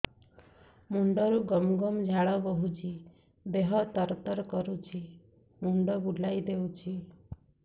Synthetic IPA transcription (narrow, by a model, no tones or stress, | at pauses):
muɳɖɔɾuɡɔmɡɔmd͡ʒʱaɭɔbɔɦud͡ʒʰi | b̪eɦɔt̪ɔɾt̪ɔɾkɔɾut͡ʃʰi | muɳɖɔbuɖlajd̪ewt͡ʃʰi